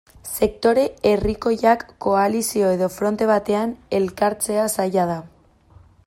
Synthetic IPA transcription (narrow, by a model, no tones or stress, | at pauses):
se̞k̚t̪o̞ɾe̞eriko̞ʝakːo̞alisio̞e̞ðo̞fɾo̞nt̪e̞β̞at̪e̞ane̞lkaɾt͡se̞asajað̞a